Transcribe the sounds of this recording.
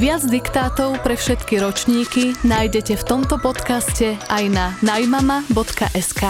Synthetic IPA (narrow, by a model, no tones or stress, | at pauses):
ʋɪad͡zd̪ikt̪aːt̪ɔʊpɾɛfʃɛt̪kiɾɔt͡ʃɲiːkinaːjɟɛcɛft̪ɔmt̪ɔpɔt̪kascɛajnanajmamabɔt̪ka̰ʔɛskaː